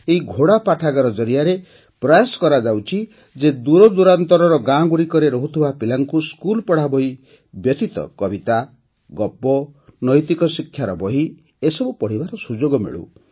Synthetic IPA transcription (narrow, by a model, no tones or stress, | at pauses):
eɦiɡʱoɽapaʈʰaɡaɾɔd͡ʒɔɾijaɾe | pɾɔjasɔ̥kɔɾad͡ʒawt͡ʃʰi | d͡ʒed̪uɾɔd̪uɾant̪ɔɾɔɾɔɡãɡuɽikɔɾeɾɔɦut̪ʰibapilaŋkuskulpɔɽ̤abɔɦi | bjɔt̪it̪ɔ̰kɔbit̪a | ɡɔpːɔnɔjt̪ikɔsikʰːjaɾɔbɔɦi | esɔbupɔɽ̤ibaɾɔsud͡ʒoɡɔmḛɭṵ